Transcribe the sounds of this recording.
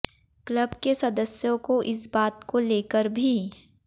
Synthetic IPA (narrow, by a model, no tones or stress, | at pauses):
kləbkesɐd̪əsjõkoʔɪsbaːt̪koleːkəɾbʱi